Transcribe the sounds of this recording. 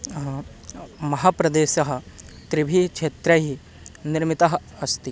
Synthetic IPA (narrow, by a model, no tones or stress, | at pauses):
mɐɦaːpɾɐd̪eːɕɐɦɐ̆t̪ɾibʱikʃʰeːt̪ɾɐɦi | niɾmit̪ɐɦɐ | ɐst̪i